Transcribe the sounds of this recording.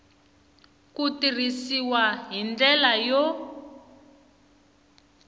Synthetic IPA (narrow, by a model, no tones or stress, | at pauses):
kutirisiwaɦind͡ɮɛlajɔ